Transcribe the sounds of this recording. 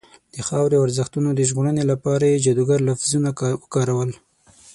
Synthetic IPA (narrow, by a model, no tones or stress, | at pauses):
d̪̥əxɑwɾeawaɾzəxt̪unod̪əʒɣoɽənelapɑɾajed͡ʒad̪uɡaɾlafzunawəkɑɾawəl